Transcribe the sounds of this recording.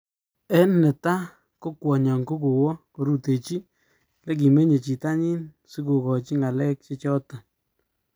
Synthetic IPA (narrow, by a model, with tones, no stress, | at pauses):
ɛ˦nle˨ta˦ | ko˦kwɔ˨ɲɔ˨ŋko˦ku˨wɔ˦ko˨ɾu˦te˨t͡ʃi˦ | le˦k̬i˨me˦ɲe˨t͡ʃi˨ta˦ɲɪ˦n | su˦ku˨kɔ˨t͡ʃi˦ŋa˨lɛ˦k̚t͡ʃe˦t͡ʃɔ˦ta˨